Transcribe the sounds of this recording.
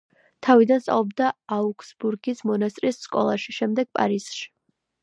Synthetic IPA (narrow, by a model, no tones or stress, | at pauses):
t̪ʰavid̪anst̪ʼa̰lˠɔbd̪aːukʰʼsbuɾɡismɔnast̪ʼɾisːkʼɔ̰lˠaʃiʃɛmd̪ɛɡ̥̚pʼa̰ɾisʃi̥